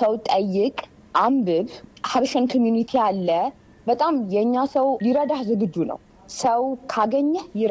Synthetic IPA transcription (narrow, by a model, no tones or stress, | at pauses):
səwt̪ʼəjːɪkʼ | ʔambɨβhaβʃənkʰomjunit̪ʰijalːə | bət̪ʼamjɛɨɲːasəwliɾəd̪ahzɨɡɨd͡ʒːunə̰w | səwkʰaɡəɲːjɪɾ